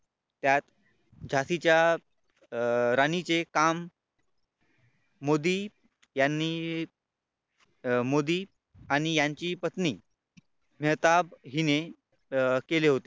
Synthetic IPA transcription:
t̪jat̪ | d͡ʑʱasit͡ɕja | ɾanit͡sekam | od̪i | janːi | mod̪iː | aɽ̃ijaɲt͡ɕiːpət̪niː | mɛɦt̪abɦine | keleɦot̪e

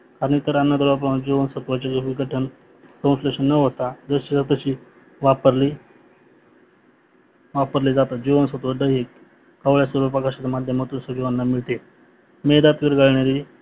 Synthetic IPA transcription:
kaɾəɳt̪əɾanːad̪əɾʋap̬ɾəʋãnd͡ʑiʋənsət̪uʋat͡ɕakeʋiɡəʈʰən | koũnsleɕənːəɦot̪ad͡zəɕisat̪əɕiː | ʋapəɾli | ʋapəɾlid͡zat̪at̪̚d͡ʑiʋənsət̪ʋəɖ̪əɦik | kaʋɭjasəɾupəkʰaɕat͡samad̪ʱjəmət̪uːnsəɡiʋanːamiɭt̪e | med̪at̪ʋiɾɡʱaɭɳaɾiː

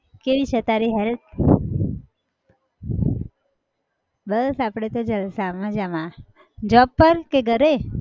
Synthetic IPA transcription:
keʋit͡ʃʰət̪aɾiɦɛɾət̪̚ | bəsapɽ̃et̪od͡ʒəlsamãd͡ʒamã | d͡ʒɔppːəɾkeɡəɾe

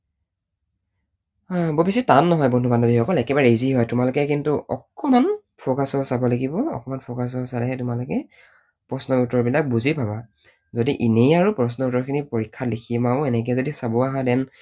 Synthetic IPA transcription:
bobisɛtanːɔɦɔjbɔndʱubandɔbixɔkɔlɛkɛbaɹeziɦɔjtʊmalʊkɛkintuʔɔ̰kɔman | pʰɔkasɔsabɔlaɡibɔɔ̰kɔmanpʰɔkas̬ɔsalɛɦɛtʊmalʊkɛ | pɹɔsnɔutɔɹbilak̚buzibʱaba | zodiʔinejaɹupɹɔs̬nɔutɔɹkʰinipoɹikʰːatlikʰimaʊɛnɛk̬ɛzodisabɔaɦãdɛn

